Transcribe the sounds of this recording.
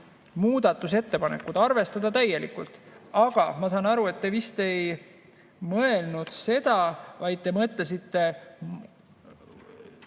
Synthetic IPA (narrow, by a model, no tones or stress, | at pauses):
muːd̪̥ɑt̪ːˑuse̞t̪ːe̞pɑnḛkːˑud̪̥ɑrve̞st̪ɑd̪̥ɑt̪æjːe̞lḭkult̪ˑɑɡ̥ɑmɑsɑnɑɾue̞t̪ːe̞vist̪e̞j | mɤe̞lnud̪̥se̞d̪̥ɑvɑjd̪̥̚t̪e̞mɤt̪les̬it̪ːe̞